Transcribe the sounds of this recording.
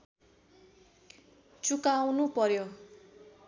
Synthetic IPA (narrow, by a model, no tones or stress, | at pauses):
t͡sukawnupʌɾjo